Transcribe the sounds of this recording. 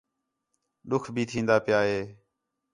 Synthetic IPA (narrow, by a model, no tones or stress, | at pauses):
ɗʊkʰbʱiːt̪ʰĩːnd̪aːpɪjaːɦeː